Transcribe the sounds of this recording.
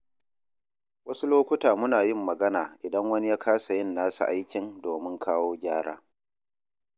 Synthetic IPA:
wɐ˦su˦loː˦kʷʊ˦taː˨mʊ˦naː˨jɪ˦˨mːɐ˨ɡɐ˦naː˨ʔɪ˨dɐ˦ŋwɐ˦ni˦jaː˦kʰaː˦sa˨jɪ˦˨nːaː˦sṵ˨ʔa˦jkʲɪ˨ndoː˨mɪ˦ŋkʰaː˦woː˦ɡʲaː˦ɽa̰ː˦

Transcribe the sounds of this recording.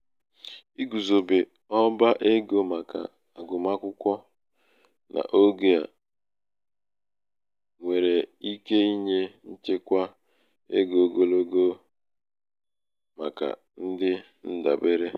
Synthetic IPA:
i˦ɡu˨zo˨be˨ | ɔ˦ba˦ʔe˦ɡo˦ma˨ka̰˨ | a˨ɡʊ˨ma˦kʷʊ˦kʷɔ˦ | nʔa̰˨ʔo˦ɡe˦a̰˨ | ŋʷe˨ɾe˨i˦ke˦i˦ɲe˦n̩˦t͡ʃe˦kʷa˦ | ḛ˦ɡo˨ɡo˦lo˦ɡo˦ | ma̰˨ka̰˨ | n̩˦dɪ˦ | n̩˦da̰˨be˦ɾe˦

